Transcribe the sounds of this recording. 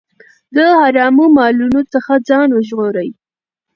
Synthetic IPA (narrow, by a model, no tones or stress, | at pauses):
d̪əhaɾɑmumɑlunot͡səxad͡zɑnwəʒɣoɾəj